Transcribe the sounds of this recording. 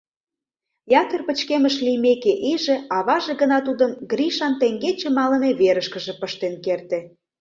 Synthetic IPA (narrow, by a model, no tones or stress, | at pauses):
jɑt̪ərpət͡ɕkeməʃlijmekeʔiʒĕɑβɑʒĕɣənɑt̪ud̪əmɡɾiʃɑnt̪eŋɡet͡ɕĕmɑlə̆neβeɾəʃkə̆ʒĕpəʃt̪enkert̪e